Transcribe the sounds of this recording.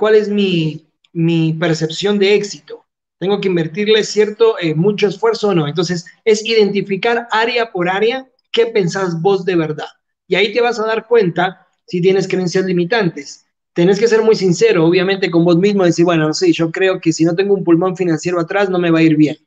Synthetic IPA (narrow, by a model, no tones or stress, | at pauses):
kwale̞zmi | mipe̞ɾse̞psjo̞nd̪e̞eksit̪o | t̪e̞ŋɡo̞k̬eimbe̞ɾt̪iɾle̞sje̞ɾt̪o̞ʔemut͡ʃo̞esfwe̞ɾsoːno̞ent̪o̞nse̞se̞siðe̞nt̪ifikaɾaɾjapo̞ɾaɾja | ke̞pe̞nsazbo̞zðe̞βe̞ɾðað | iait̪e̞βasaðaɾkwe̞nt̪a | sit̪̬je̞ne̞skɾeensjazlimit̪ant̪e̞s | t̪e̞ne̞ske̞s̬e̞ɾmujsinse̞ɾo̞oβ̞jamẽ̞nt̪e̞k̬o̞mbo̞zmizmoiðesiɾβwenonoseʒo̞kɾe̞oke̞sino̞t̪e̞ŋɡoumpulmõ̞ɱfinãnsje̞ɾoat̪ɾasno̞me̞βaiɾβje̞n